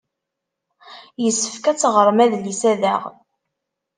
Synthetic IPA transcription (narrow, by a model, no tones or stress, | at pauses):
jəsːəfkæt͡sːʁəɾˤmæðlisæðæʁ